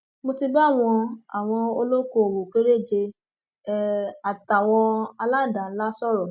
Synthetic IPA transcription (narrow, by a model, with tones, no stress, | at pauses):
mo˧ti˧ba˦˨w̃ɔ̃˧a˨w̃ɔ̃˧o˧lo˦ko˦˨o˨wo˨ke˨˦ɾe˦˨d͡ʒe˧˦ | a˨ta˨w̃ɔ̃˧a˧la˦˨da˨˦la˦sɔ˦˨ɾɔ˨